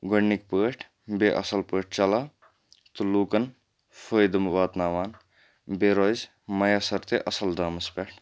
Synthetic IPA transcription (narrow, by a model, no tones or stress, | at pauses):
ɡoɳːikpəːʈʰ | beʔɐ̰sɐlpəːʈ̚ʰt͡ʃɐlaː | t̪uluːkɐn | fʰəːjd̪ɐmbaːt̪naːʋaːn | beɾoz | mɐjasɐɾt̪eʔɐsɐld̪aːmɐspeːʈʰ